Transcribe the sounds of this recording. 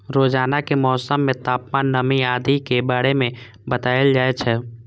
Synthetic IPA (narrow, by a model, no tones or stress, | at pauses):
ɾoːd͡ʒaːnakemɔːsəmːẽt̪aːpmaːnːəmiaːd̪ikebaːɾemẽ | bət̪aːjəld͡ʒaːet͡ʃʰɛ